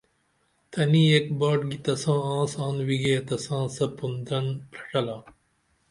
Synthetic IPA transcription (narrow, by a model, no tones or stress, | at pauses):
t̪ʰɐniːek̚baːʈɡit̪ɐsãːãːsãːnwiɡet̪ɐsãːsɐpund̪ɾɐnpɾɐ̥ʈɐlaː